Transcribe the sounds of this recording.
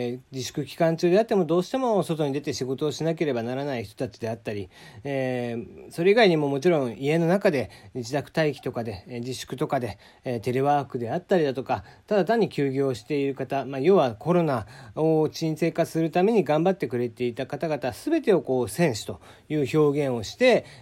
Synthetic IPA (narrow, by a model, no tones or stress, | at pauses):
d͡ʑiɕɨ̥kɯ̟kʲi̥kãɲ̟t͡ɕɨːd̪e̞at̪ːe̞mo̞d̪o̞ːɕi̥t̪e̞mo̞so̞t̪o̞ɲ̟id̪e̞t̪e̞ɕiɡo̞t̪o̞ːɕinak̬e̞ɾe̞banaɾanaiçi̥t̪o̞t̪at͡ɕid̪e̞at̪ːaɾʲi | so̞ɾe̞iɡaiɲ̟imo̞mo̞t͡ɕiɾõ̞ɰ̃ie̞no̞nakad̪e̞id͡ʑit̪akɯ̟̥t̪aikʲi̥t̪o̞kad̪e̞d͡ʑiɕɨ̥kɯ̟t̪o̞kad̪e̞ | t̪e̞ɾeβaːkɯ̟d̪e̞at̪ːaɾʲid̪at̪o̞kat̪ad̪at̪ãɲ̟ːikʲɨːɡʲo̞ːɕi̥t̪e̞iɾɯ̟kat̪amajo̞ːβako̞ɾo̞naot͡ɕĩse̞ːkaɨ̥sɨɾɯ̟t̪ame̞ɲ̟iɡãmbat̪ːe̞kɯ̟ɾe̞t̪e̞it̪akat̪aɡat̪asɨbe̞t̪e̞o̞ko̞ːsẽ̞ɰ̃ɕi̥t̪o̞ | jɯ̟ːço̞ːɡẽ̞ɰ̃o̞ɕi̥t̪e̞